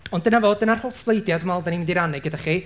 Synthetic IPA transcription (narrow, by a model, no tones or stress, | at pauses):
ɔndənavoːdənar̥hʊtʰlˠejdjadmalˠdanimɪndiɾanɪɡədaχi